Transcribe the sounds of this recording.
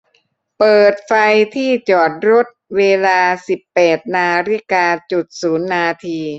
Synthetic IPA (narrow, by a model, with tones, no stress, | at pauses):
pɤː˨˩t̪̚fa˧jt̪ʰiː˥˩t͡ɕɔː˨˩t̪̚ɾo˦˥t̪̚weː˧laː˧si˨˩pːɛː˨˩t̪̚naː˧ɾi˦˥kaː˧t͡ɕu˨˩t̪̚suː˩˦nːaː˧t̪ʰiː˧